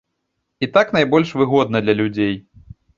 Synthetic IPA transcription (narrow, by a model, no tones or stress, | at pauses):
it̪aknajbɔlʲʂvɨɣɔd̪̚nɐd̪lʲɐlʲud͡zʲej